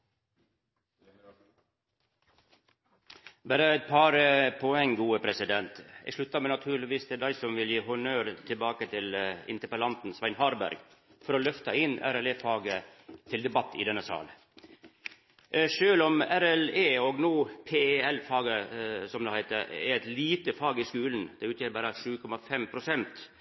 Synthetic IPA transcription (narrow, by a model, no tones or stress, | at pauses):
bæːɾəæɪt̪̚pʰɑɾəpʰɔɛŋːɡuːəpʰɾɛsɪd̪ɛnt̪ɛ̰ɡʂɭʉt̪ːɑmɛnɑt̪ʰʉːɾɭɪʋiːst̪ʰɪld̪æɪsɔmʋɪljiːhʊɳœːɾt̪ʰɪlbɑːkət̪ʰɪlɪ̰nt̪əɾpəlɑnt̪n̩sʋæɪnhɑːɾbæ̰ɾɡfɔɾɔlœft̪ɑɪnːæ̰ɾɛleːfɑːɡət̪ʰɪld̪ɛbɑt̪ːɪ̰d̪ɛnːəsɑ̰ːl | ʂøːlɔmæɾɛleːɔɡnuːpʰeːɛlfɑːɡəsɔmd̪ɛhæɪt̪əɾɛ̰ɾæt̪liːt̪əfɑːɡɪskʉːln̩d̪̥ɛʉːt̪jeːɾbɑːɾəʂʉːkʰɔmːɑfɛmpʰɾʊsɛnt̪